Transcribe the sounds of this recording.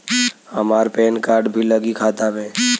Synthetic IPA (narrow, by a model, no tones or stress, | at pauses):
əmaːɾpeːnkaːɾɖbʱiləɡikʰaːt̪amẽː